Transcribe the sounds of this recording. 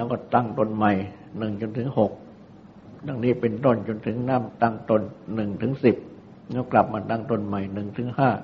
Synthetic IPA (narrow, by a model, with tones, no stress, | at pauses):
lɛ˦˥wkɔː˥˩t̪a˥˩ŋt̪o˧nma˨˩j | nɯ˨˩ŋt͡ɕo˧nt̪ʰɯ˨˦ŋho˨˩k̚ | da˧ŋniː˦˥˩pe˧nt̪o˥˩nt͡ɕo˧nt̪ʰɯ˩˦ŋnaː˥˩mt̪a˥˩ŋt̪o˧nːɯ˨˩ŋt̪ʰɯ˩˦ŋsi˨˩p̚ | lɛː˦˥˩kla˨˩p̚maː˧t̪a˥˩ŋt̪o˧nma˨˩jnɯ˨˩ŋt̪ʰɯ˩˦ŋhaː˥˩